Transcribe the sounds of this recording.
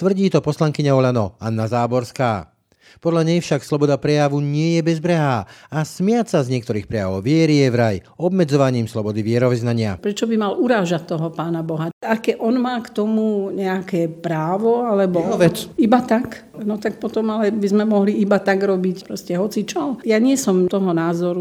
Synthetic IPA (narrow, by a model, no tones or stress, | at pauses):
t̪ʋr̩ɟiːt̪ɔpɔslaŋkiɲaɔʎanɔanːazaːbɔɾskaː | pɔd̪ʎaɲɛjfʃakslɔbɔd̪apɾɛjaʋuɲɪɛjɛbɛzbɾɛɦaːasmɪasazɲɪɛk̚t̪ɔɾiːxpɾɛjaʋɔʊʋɪɛɾijɛvɾaj | ɔbmɛd͡zɔʋaɲiːmslɔbɔd̪iʋɪɛɾɔʋiznaɲɪa̰pɾɛt͡ʃɔbimalʔuɾaːʒat̪ːɔɦɔpaːnabɔɦaakɛʔɔnmaːkt̪ɔmuɲɛakɛːpɾaːʋɔalɛbɔɔʋɛt͡sibat̪ak | nɔt̪ak̚pɔt̪ɔmalɛbizmɛmɔɦliibat̪aɡɾɔbicpɾɔscɛɦɔt͡sit͡ʃɔjaɲɪɛsɔmt̪ɔɦɔnaːzɔɾu